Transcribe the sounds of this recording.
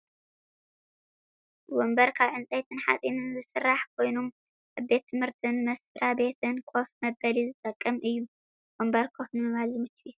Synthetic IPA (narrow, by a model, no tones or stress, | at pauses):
wombɐɾkʰaβʕɨnt͡sʼajt̪ʰɨnħa̰t͡sʼinɨnzɨsɨrːaħkʰo̞jnom | ʔaβbe̞t̪ʰːɨmhɨɾt̪ʰɨnmɐsfɨɾʔabe̞t̪ʰɨnkʰofmɐbɐlizɨt̪ʼɐkʼːɐmʔɨjːu | wombɐɾkʰofnɨmɐβalzɨmɨt͡ʃːi